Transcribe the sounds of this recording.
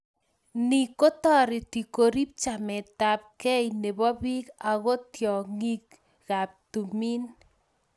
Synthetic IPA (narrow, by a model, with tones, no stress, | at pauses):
ni˨ko˦tɔ˦ɾɪ˨ti˨ko˨ɾi˦p̚t͡ʃa˨mɛ˨ta˨p̚kɛ˦jne˨bɔ˦bi˦ka˨ɣɔ˦tjɔ˨ŋi˦k̚ | ɣ̥a˨p̚tu˨mi˦n